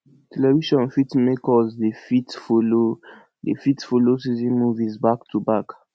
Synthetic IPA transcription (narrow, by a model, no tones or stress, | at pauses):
tʰɛlɛviʃɔ̃nfitmekɔsdefitfolo | dḛfitfolos̬izĩnmuvizbaktʰubak